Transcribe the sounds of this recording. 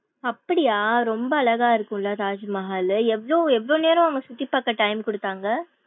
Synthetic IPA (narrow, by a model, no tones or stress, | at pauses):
ɐpːɐɽɪjaːɾɔmbɐːɭɐɣaːɪɾɯkːʊ̃lat̪aːd͡ʒɐmɐɦaːlɛʋɐɭoːɛʋːɐɭoːneːɾɐ̃ɐŋɡɐsʊt̪ːɪpːaːkːɐʈɐɪmkɔɽɯt̪ːaːŋɡɐ